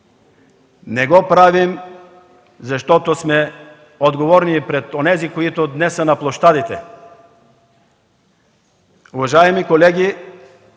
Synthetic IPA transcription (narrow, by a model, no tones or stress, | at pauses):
nɛɡɔpɾavim | zaʃt̪ɔt̪osmɛ | od̪ɡovɔɾnipɾɛt̪onɛzikoit̪od̪nɛsənaplˠoʃt̪ad̪it̪ɛ | uvaʒaɛmikolɛɡi